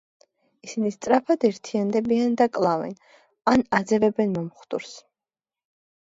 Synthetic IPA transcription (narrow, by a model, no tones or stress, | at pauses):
isinist̪sʼɾapʰad̪ɛɾt̪ʰiand̪ɛbiand̪akʼlˠavɛ̰n | anad̪zɛvɛbɛnmɔmχd̪ʼṵɾs